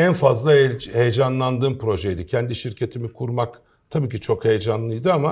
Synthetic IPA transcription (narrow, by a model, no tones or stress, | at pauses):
ænfazlˠahejed͡ʒanlˠand̪ɯːmpɾo̞ʒejd̪icʰɛnd̪iʃiɾcʰe̞t̪ʰimikʰuɾmak | t̪ʰabiːcʰit͡ʃʰo̞khe̞jed͡ʒanlˠɯjd̪ɯama